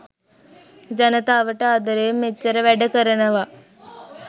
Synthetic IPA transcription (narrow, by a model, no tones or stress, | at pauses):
d͡ʒɐnɐt̪aːʋɐʈɐaːd̪ɐɾeːmːet͡ʃːɐɾɐʋɛɖɐkəɾɐnɐʋa